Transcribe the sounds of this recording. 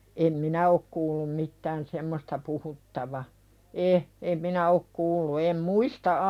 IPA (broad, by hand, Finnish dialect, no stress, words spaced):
em minæ ok kuːlːum mitːæːn semːostɑ puhutːɑʋɑ e em minæ ok kuːlːu em muistɑ